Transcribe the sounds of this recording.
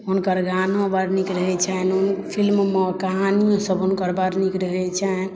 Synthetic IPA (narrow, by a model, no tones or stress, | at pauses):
ɦunkəɾɡanõbaɾnikɾəɦɛt͡ʃʰɛnunpʰilmmekaɦanijõsəbunkəɾbaɾnikɾəɦɛt͡ʃʰɛ